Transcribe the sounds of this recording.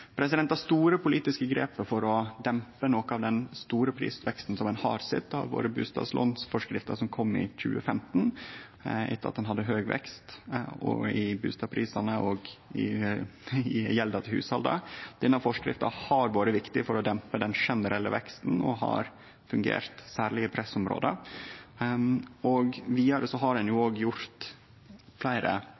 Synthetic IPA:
pʰɾɛs̬ɪd̪ɛnt̪ɑʂt̪uːɾəpʰʊliːt̪ɪskəɡɾeːpəfɔɾɔd̪ɛmpənɔkəɑʋd̪ɛnst̪uːɾəpʰɾḭːsʋɛkst̪n̩sɔmɛnhɑːɾsɪ̰t̪ːɑ̰ɾʋo̰ːɾəbʉ̰ːst̪ɑ̰ːslʔɔ̰nsfɔʂkɾɪft̪əʂɔmkʰɔmːɪ̰c͡çʉ̰ːəfɛmt̪n̩ | ɛ̰t̪ːəɾɑt̪d̪ɛnɦɑd̪ːəɦøːɡʋɛ̰kst̪ɔ̰ɪbʉ̰ːst̪ɑːpʰɾiːsɑnəʔɔɡɪ | ɪjɛld̪ɑt̪ʰɪlhʉ̰ːshɑld̪ə̰d̪̥ɛnːəfɔʂkɾɪ̰ft̪ɑhɑɾʋoːɾəʋɪkt̪ɪfɔɾɔd̪ɛmpəd̪ɛnʂɛnəɾʔɛlːəʋɛkst̪n̩ɔ̰hɑ̰ɾ | fʉŋɡḛːɾt̪sæːɾɭɪəpʰɾɛsɔmɾo̰ːd̪ə | ɔɡʋiːɑɾəsɔɦɑɾdɛnjuoːɡjʊɾt̪ | flæɪɾə̰

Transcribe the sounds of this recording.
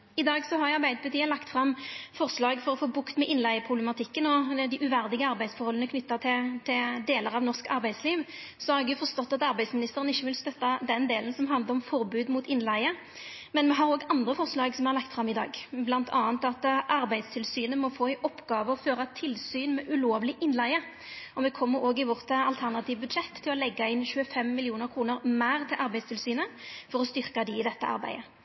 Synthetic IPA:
ɪd̪ɑːɡsɔɦɑɾɑɾbæɪd̪əpʰɑt̪iːəlɑkt̪fɾɑmːfɔɾslɑːɡfɔɾɔfoːbʊkt̪mɛʔɪnlæɪəpʰʁʊblɛmɑt̪ʰɪkːənɔd̪ɪʔʉʋæɾd̪ɪɡəɑɾbæɪsfɔɾhɔlənəkʰnʏt̪ːɑt̪ʰɪt̪ʰɪd̪eːləɾɑʋnɔɾskɑɾbæɪd̪sliːʋ | sɔhɑɾɛɡjʊfɔɾst̪ɔt̪ːɑt̪ɑɾbæɪsmɪnɪst̪əɾənɪçːəʋɪlst̪œt̪ːɑd̪ɛnd̪eːlənsɔmɦɑnd̪ləɾɔmfɔɾbʉːd̪muːt̪ɪnlæɪə | mɛnmɛɦɑɾoːɡɑnd̪ʁəfɔʁslɑːɡsɔmʋɛhɑɾlɑkt̪fɾɑmːɪd̪ɑ̰ːɡblɑnt̪ʰɑːnt̪ɑt̪ʔɑɾbæɪd̪st̪ʰɪlsyːnəmɔfoːɪʔɔpːɡɑːʋəɔføːʁɑt̪ʰɪlsyːnmɛʔʉloːʋlɪʔɪnlæɪə | ɔmɛkʰɔmːəɾoːɡɪʋɔʁt̪ɑlt̪ʰæʁnɑt̪ʰiːʋbʉd̪ʂɛt̪ʰːɪlɔlɛɡːɑɪnçʉːəfɛmːɪlɪuːnəɾkʰɾuːnəɾmæːʁt̪ʰɪlʔɑɾbæɪdst̪ʰɪlsyːnəfɔɾɔst̪ʏɾkɑd̪ɪɪd̪ɛt̪ːəʔɑ̰ɾbæ̰ɪə

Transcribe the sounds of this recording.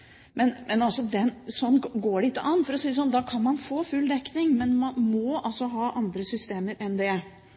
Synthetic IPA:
mɛnmʔɛnɑlsɔd̪ɛnsɔnːɡoːɖɛɪt̪ːəʔɑnːfɔɾɔsiːəsɔnːd̪ɑːkʰɑnmɑnfoːfʉlːd̪ɛkːnɪŋmɛnmɑnmɔʔɑlsɔɦɑːʔɑnd̪ɾəsʏst̪eːməɾʔɛnd̪ɛ

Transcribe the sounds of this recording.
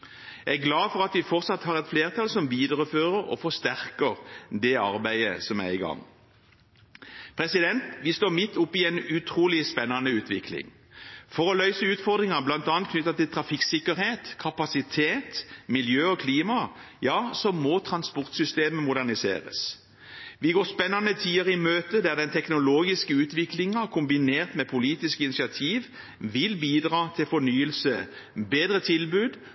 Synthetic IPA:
æɡlɑːfɔʁɑt̪ʋɪfɔʁt̪sɑt̪hɑːʁɛt̪fleːʁt̪ʰɑːlsɔmʋiːd̪əʁəføːʁəʁɔ̰fɔst̪æʁkəʁd̪ɛɑʁbæɪəsɔmæ̰ɪɡɑ̰ŋː | pʰɾɛsɪd̪ɛnt̪ʋɪst̪oːmɪt̪ːʊpːɪɛnʉt̪ʰʁuːlɪspɛnːɑnəʉːt̪ʰʋɪkʰlɪ̰ŋ | fɔʁɔlœʏsəʉːt̪fɔʁd̪ʁɪŋɑblɑnt̪ɑːnt̪kʰnʏt̪ːɑt̪ɪlt̪ʰʁɑfɪksɪkːəɾheːt̪kʰɑpɑsɪt̪ʰeːt̪mɪljøːɔkʰliːmɑ | jɑːsɔmːɔt̪ʰɾɑnspɔʁt̪sʏst̪eːməmʊd̪æʁnɪsḛːɾə̰s | ʋɪɡoːʁspɛnːɑnət̪ʰiːəʁəɪmøːt̪əd̪æʁd̪ɛnt̪ʰɛknʊloːɡɪskəʉːt̪ʋɪklɪŋɑkʰʊmbɪneːʁt̪mɛpʰʊliːt̪ɪskəɪnɪsɪɑt̪ʰiːʋ | ʋɪlbiːd̪ʁɑːt̪ʰɪlfɔnyːəlsə | beːd̪ɾət̪ʰɪlbʉːd̪

